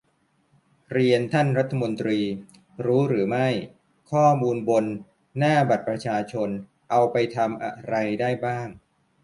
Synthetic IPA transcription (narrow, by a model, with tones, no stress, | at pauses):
ɾi˧ənt̪ʰa˥˩nɾa˦˥t̪ʰːa˧mo˧nt̪ɾiː˧ | ɾuː˦˥ɾɯː˩˦ma˥˩j | kʰɔː˥˩muː˧nbo˧nː | aː˥˩ba˨˩t̪̚pɾa˧t͡ɕʰaː˧t͡ɕʰo˧n | ʔa˧wpa˧jt̪ʰa˧mʔa̰˧ɾa˧jdaː˥˩jbaː˥˩ŋ